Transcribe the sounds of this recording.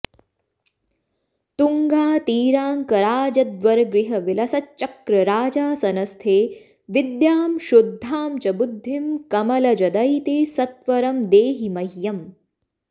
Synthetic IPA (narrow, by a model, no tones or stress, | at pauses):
t̪uŋɡaːt̪iːɾaːŋkɐɾaːd͡ʒɐd̪ʋɐɾɐɡɾiɦɐʋilɐsɐt͡ʃɐkɾɐɾaːd͡ʒaːsɐnɐst̪ʰeː | ʋid̪jaːmʃud̪ʱːaːmt͡ʃɐbud̪ʱːimkɐmɐlɐd͡ʒɐd̪ɐjt̪eːsɐt̪ʋɐɾɐmd̪eːɦimɐjjɐm